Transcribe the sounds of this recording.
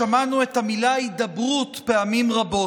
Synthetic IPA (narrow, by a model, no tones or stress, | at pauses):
amanue̞thamilaaitd̪ɐbʁutpeamimʁabo̞